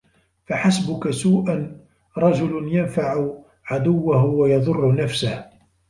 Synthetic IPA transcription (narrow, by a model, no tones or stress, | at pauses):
faħasbʊkasuːʔan | ɾˤɑd͡ʒʊlnjanfaʕʊ | ʕad̪ʊwːahʊwajɑðˤʊrˤːʊnafsah